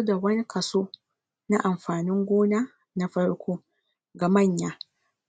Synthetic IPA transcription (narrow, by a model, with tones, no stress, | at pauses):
da˨wɐ˦ni˦kʰɐ˨soː˦ | na˦ʔa˨mɸaː˨nɪ˦ŋɡʷoː˦na˦ | na˦ɸɐ˦ɽkʰʷoː˦ | ɡa˨mɐ˦˨ɲjaː˦